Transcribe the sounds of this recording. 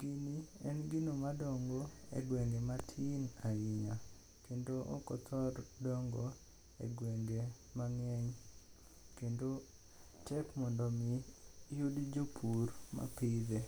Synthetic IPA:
ɡiniɛnɡinomadɔŋɡoḛɡweŋɡematʰinaɡiɲa | kendoʔo̰kɔt̪ʰɔrdɔŋɡo | ḛɡweŋɡe | maŋɛɲ | kendo | tɛpmɔndomijudid͡ʒopʰuɾma̰pid̪e

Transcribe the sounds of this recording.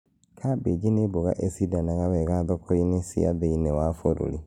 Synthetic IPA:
kʰabed͡ʒineboɣa̰ʔesidanaɣaβɛɣaðɔkʰɔinesḭa̰ðeinɛwafoɾo̰ɾḭ

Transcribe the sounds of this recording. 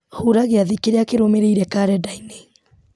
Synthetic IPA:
huɾaɣeaðikeɾeakeɾomeɾeiɾɛkaɾɛdaine

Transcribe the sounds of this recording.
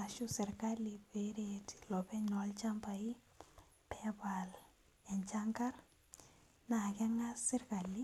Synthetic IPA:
aʃusɪɾkalːipeɾeti̥lɔbɛɲɔlt͡ʃampai | pʰɛbal | ɛnt͡ʃaŋkar | nakɛŋasɪɾkalːi

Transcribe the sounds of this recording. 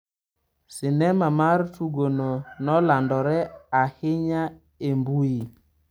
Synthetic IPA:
sinɛmamaɾtuɡononɔlandɔɾɛahɪɲa | embui

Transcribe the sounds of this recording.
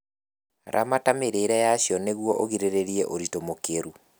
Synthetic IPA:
ɾʔa̰matameɾeɾɛjaɕjɔneɣwɔʔoɣiɾeɾeɾiɛʔoɾitomokeɾu

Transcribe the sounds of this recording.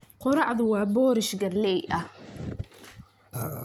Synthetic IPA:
qɔɾɑʕðʊwɑːbɔːɾɪʃɡɐrlɛjʔɐh

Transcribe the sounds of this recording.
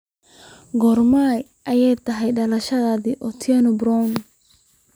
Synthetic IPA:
ɡɔrmaj | ʔɐjɛjt̪ʰɐɦɛjɖɐlɐʃɐðaːðiʔɔt̪ʰɛnɔbrɔn

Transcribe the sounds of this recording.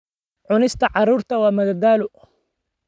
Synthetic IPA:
ʕʊnɪst̪aʕɑɾˤuɾt̪awamad̪ad̪aːlʊ

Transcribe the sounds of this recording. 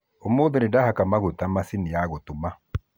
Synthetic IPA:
omoːðenedahakamaɣotamasinijaɣotuma

